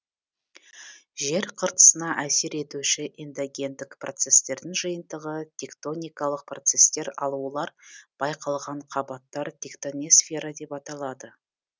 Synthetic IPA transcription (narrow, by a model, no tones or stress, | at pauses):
ʒe̞ɾqʰəɾt̪ə̥sənɑʔæse̞ɾe̞t̪uʃɪʔind̪oɡʲe̞nt̪ɪkprʔo̞̰t̪se̞st̪e̞ɾd̪ɪŋʒəjənd̪əʁət̪ʲʰe̞kt̪o̞nʲijkɑlˠəq̚pro̞t̪se̞st̪e̞ɾɑ̰lˠulˠɑɾb̥ɑjqɑlˠʁɑɴqʰɑbɑt̪ːɑɾt̪ʰʲekt̪onʲesfʲe̞ɾad̪e̞pɑt̪ɑlˠɑd̪ə